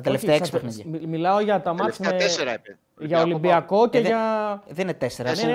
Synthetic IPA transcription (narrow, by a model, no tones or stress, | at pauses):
ɐt̪eleft̪eɐesi̥psmeimilɐo̞ʝɐt̪ɐmɐt̪eeseɾɐð | ʝɐolimbiɐko̞ceðʝɐðeinet̪e̞seɾɐ